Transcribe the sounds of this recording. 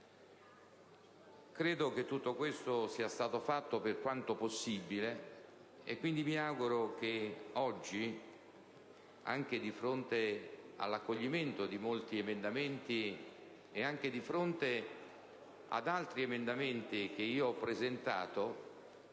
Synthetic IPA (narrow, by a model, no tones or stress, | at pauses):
kɾeːd̪ok̟et̪ːut̪ːokwest̪osiːast̪aːt̪ofat̪ːoperkwant̪oposːibile | ḛkːwind̪imiaɡuɾok̟eɔd͡ʒːi | a̰ŋk̟ed̪ifɾont̪ea̰lːakːoʎːiment̪od̪imolt̪iemend̪ament̪i | eaŋk̟ed̪ifɾont̪e | a̰d̪alt̪ɾiemend̪ament̪ik̟eiːoɔpːɾezent̪a̰ːt̪o